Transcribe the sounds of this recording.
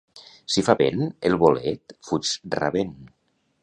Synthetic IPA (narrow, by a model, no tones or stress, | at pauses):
sifaβḛnelˠβolet̪fut͡ʃra̰βen